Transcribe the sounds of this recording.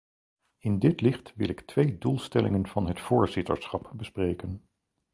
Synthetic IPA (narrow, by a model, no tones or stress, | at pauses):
ɪndɪtlɪχtʋɪ̰lɪktʋejdulˠstɛlɪ̰ŋənv̥ɑnɦətfʊːɹzɪtə̰ɹsχɑpbəsprejkən